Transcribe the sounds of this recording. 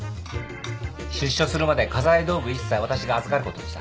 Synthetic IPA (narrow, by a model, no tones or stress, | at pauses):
ɕɨɕːo̞sɨɾɯ̟mad̪e̞kazaid̪o̞ːbɯ̟isːaiβ̞at̪aɕiɡaːzɨkaɾɯ̟ko̞t̪o̞ɕi̥t̪a̰